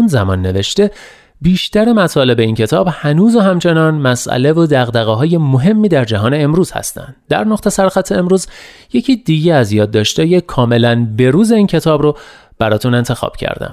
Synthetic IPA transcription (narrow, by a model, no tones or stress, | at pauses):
unzæmɒːnːe̞veʃt̪e̞ | biːʃt̪æɾemæt̪ʰɒːle̞be̞incʰe̞t̪ʰɒːbhænuːzoɦæmt͡ʃʰe̞nɒːnmæsʔæ̰le̞vod̪æɣd̪æɣeɦɒːje̞moɦe̞mːiːd̪æɾd͡ʒæɦɒːneːmɾuːz̥hæ̰st̪æ̰nd̪̥d̪æ̰ɾnoqt̪e̞sæɾxæt̪ʰːe̞emɾuːzje̞cʰiːd̪iɟeæzjɒːd̪ːɒːʃt̪ejekʰɒːme̞lænbe̞ɾuːze̞iːncʰe̞t̪ʰɒːbɾo | b̥æɾɒːt̪ʰune̞nt̪ʰe̞xɒ̰ːb̥cʰæ̰ɾd̪æ̰m